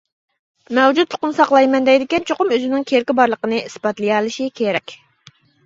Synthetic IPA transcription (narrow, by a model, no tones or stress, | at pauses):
mɛwd͡ʒut̪ʰːo̥qʊnsɑqlˠɑjmɛnd̪ɛjd̪ɪkʲɛnt͡ʃʰoqʊmøzɪnɪŋkʲʰeɾkʲibɑɾlˠəqənɨʔisbɑt̪lˠɨjɑlˠɨʃikʲʰeɾɛkʲ